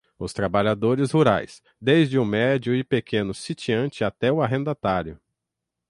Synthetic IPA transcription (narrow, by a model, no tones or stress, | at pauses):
ʊst̪ɾabaʎad̪oɾɪzhuɾa̰js | d̪ejzd͡ʒɪʊ̃mɛd͡ʒʊɪpekʰẽnʊsit͡ʃiɐ̃t͡ʃɪat̪ɛʊaɦẽnd̪at̪aɾjʊ